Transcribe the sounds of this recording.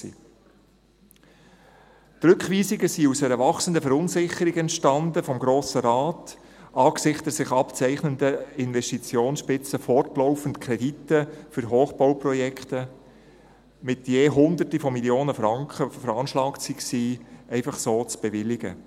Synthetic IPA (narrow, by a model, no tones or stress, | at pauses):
sḭː | tɾʏkʋiːsɪɡəsiusɛɾəʋɑχsəndəfɛɾʊnsɪχəɾiɡɛntʃtɑnd̪əfɔmɡɾoːsəɾɑːtʔɑːksɪχtəsɪχɑpt͡sɛɪχnənd̪əɪnʋɛsʃtit͡sjoːnsʃpɪt͡səfɔrtlɔʊfən̩tkʰɾɛditːəfʏɾɦoːχb̥ɔwprɔjɛkʰt̪ə | mɪt̪jeːɦʊnd̪ərtifɔmiljoːnəfɾɑŋkχəfəɾɑːnʃlɑːksiksiːɛɪfɑχsoːt͡sb̥ɛʋɪlɪɡ̥ə̰